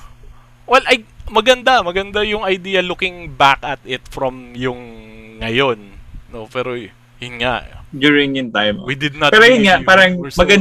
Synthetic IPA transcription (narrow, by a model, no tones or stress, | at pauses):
wɛlʔɐjmɐɡɐnd̪amɐɡɐnd̪ajʊŋɐjd̪iːjɐlʊkɪŋbakɐt̪ɪt̪fɹɐmjʊŋːɐjo̞nːopɛːɾo | jʊnŋa̰ʔd̪juːɹɪŋɪnt̪ãjmo̰wid̪ɪd̪̚nɐt̪ɛɾojʊnŋaʔpaːɾɐŋmɐɡɐn